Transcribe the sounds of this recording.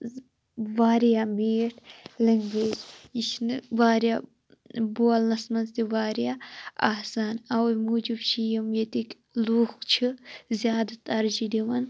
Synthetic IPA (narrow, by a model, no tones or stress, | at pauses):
ʋaːɾjameːʈʰlɐŋɡeːd͡ʒiʃnɨʋaːɾjaː | boːlnɐsmɐnt̪iʋaːɾjaːa̰ːsaːnɐwmuːd͡ʒibt͡ʃʰijimjet̪ik | luːxt͡ʃʰizʲjaːd̪ɐt̪ɐɾd͡ʒid̪iʋɐn